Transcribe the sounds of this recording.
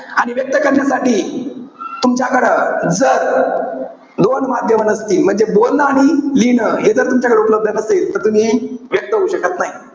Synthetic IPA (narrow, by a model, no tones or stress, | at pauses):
aɽ̃iʋjək̚t̪əkəɾjasaʈiː | t̪umt͡ɕjakəɽəd͡zəɾ | d̪onmad̪ʱjəmənəst̪iːlm̤əɳd͡zebolnəaɽ̃ilinəɦed͡zəɾt̪umt͡ɕakəɽeupələb̚d̪ʱənəselt̪əɾt̪um̤iːʋjək̚t̪əɦouɕəkət̪naɦi